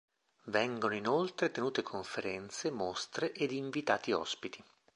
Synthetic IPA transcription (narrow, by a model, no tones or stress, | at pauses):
vɛŋɡonoinolt̪ɾet̪enuːt̪ekʰoɱfeɾɛnt̪semost̪ɾeʔed̪iɱvit̪aːt̪iɔ̰spit̪i